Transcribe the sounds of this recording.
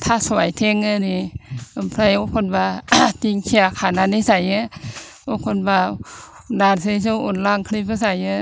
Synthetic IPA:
t̪ʰaːsuajt̪ʰeŋːɯniʔampʰɾajokʰonwaːt̪iŋkʰiakʰaːnanisajɯ | okʰonwaː | daːnsaisoʔonlaŋkʰlip̚asajɯ

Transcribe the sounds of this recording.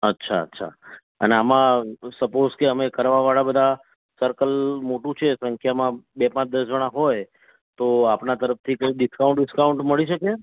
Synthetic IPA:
ətːʃʰa̰ə̰tːʃʰa̰ | ə̰neamãsəpozkeəmekəɾʋaʋaɭabəd̪ʱa | səɾkəlmoʈũt͡ʃʰesə̃ŋkʰjamãbepãt͡ʃd̪əsd͡ʒəɽ̃ãɦoj | t̪oapnat̪əɾəft̪ʰikəjiɖɪskaũɳʈɖɪskauɳʈməɭiʃəke

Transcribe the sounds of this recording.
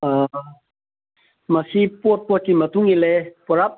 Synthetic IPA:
a | masipɔt̪̚puɔkimat̪uŋilɛpɔɾap̚

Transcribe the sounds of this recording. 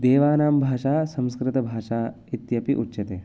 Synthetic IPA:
d̪eːʋaːnaːmbʱaːʃaːsɐ̃mskɾɪt̪ɐbʱaːʃaː | it̪jɐpiʔutːʃɐt̪eː

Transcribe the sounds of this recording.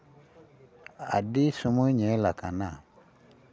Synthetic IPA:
a̰disomoɲɛ̃lakana

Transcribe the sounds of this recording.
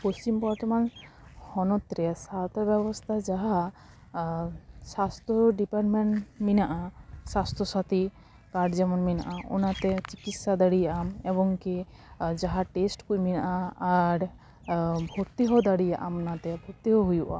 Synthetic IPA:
post͡ʃimpɔɾt̪ɔman | hɔnɔt̪ɾɛsat̪ʰɔbɛbɔst̪ʰad͡ʒaɦa | sast̪ʰɔɖipaɾʈmeɳʈminaʔasast̪ʰɔsat̪i | kaɾɖd͡ʒɛmɔnmina̰ʔaʔṵnat̪ɛt͡ʃikit̪sad̪aɽijaʔamɛbɔŋki | d͡ʒaɦaʈesʈkujminaʔaaɾ | bʱɔɾt̪iɦɔd̪aɽijaʔamnat̪ɛbʱɔɾt̪iɦɔɦujuʔa̰

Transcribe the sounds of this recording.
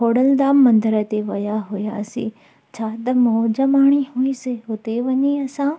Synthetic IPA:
ɦoːɽəld̪aːmːɐ̃nd̪əɾət̪eʋɐjaɦʊjasḭ̃ | t͡ʃʰaːt̪ɐmod͡ʒɐmaːɽ̃iɦuisɪɦʊt̪eʋɐɲiɐsãː

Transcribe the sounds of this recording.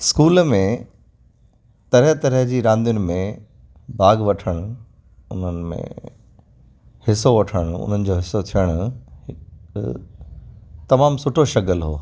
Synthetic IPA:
skuːlmẽ | t̪ɐɾəɦt̪ɐɾəɦd͡ʑiːɾãːnd̪ijʊnɪ̆mẽ | baːɡʋɐʈʰəɽ̃ʊ | ʊn̤ənɪ̆mḛ̃ | hɪsoʋɐʈʰəɽ̃ʊʊ̰n̤ənɪ̆d͡ʑoːɦɪsot̪ʰijəɽ̃ʊhɪ | t̪ɐmaːmsʊʈʰoʃɐkəlɦo̰ː

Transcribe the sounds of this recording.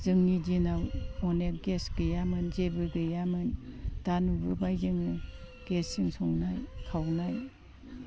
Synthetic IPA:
zɯŋnidinawmɔnek̚ɡesɡɯjamɯnzebɯɡɯjamɯnd̥anubɯbajzɯŋɯ | ɡ̥esiŋsɔŋnajkʰawnaj

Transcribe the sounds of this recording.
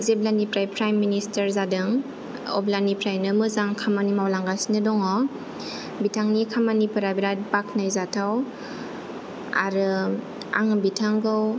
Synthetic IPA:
zeblanipɾajpɾajmːinistəɾzadɯŋ | ɔ̰blanipɾajnɯmɯzaŋkʰamanimawlaŋɡasinɯdɔŋɔ | bitʰaŋnikʰamanipɯɾabiɾat̚bakʰnajzatʰaw | a̰ɾɯ | a̰ŋbitʰaŋɡɯw

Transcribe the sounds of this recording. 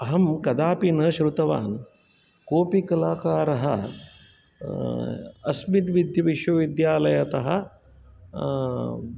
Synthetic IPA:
ɐɦɐmkɐd̪aːpinɐʃɾut̪ɐʋa̰ːn | koːpikɐlaːkaːɾɐɦɐ̰ | ɐ̰smit̪ʋid̪jɐʋiʃʋɐʋid̪jaːlɐjɐt̪ɐɦɐ̆

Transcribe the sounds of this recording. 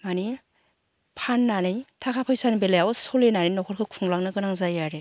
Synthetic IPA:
mani | pʰanːanɯjtʰakʰapʰajsanbelajawɔsɔlenanɯjnɔkʰɔɾkʰɯkʰuŋlaŋnɯɡɯnaŋzajaɾe

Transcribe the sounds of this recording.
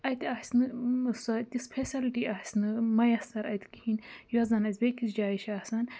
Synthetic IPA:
ɐjt̪asʲnɨsɐt̪ispʰesɐlʈiasʲnɨmɐjɐst̪ɐɾɐjt̪i̥kihinjɔzɐnɐzʲbekisd͡ʒaːiʃaːsɐn

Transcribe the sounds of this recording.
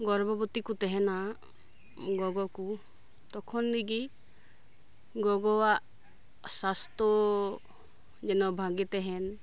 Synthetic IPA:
ɡɔɾbɔbɔt̪ikut̪ɛɦɛna | ɡɔɡɔku | t̪ɔkʰɔnliɡi | ɡɔɡɔwaʔ | sast̪ɔ | d͡ʒɛnɔbʱaɡit̪ɛɦɛn

